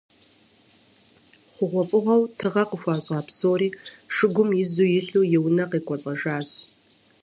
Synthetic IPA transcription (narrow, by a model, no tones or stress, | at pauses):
χʷʊʁʷɔfʼɨʁɐwtʰɨʁɐqəxʷɑːɕʼɑːpsoːɾiːʂɨɡʷʊmjɪzuːjɪɬuːjɪwnɐqiːkʷʼɔɬʼɐʒaːɕ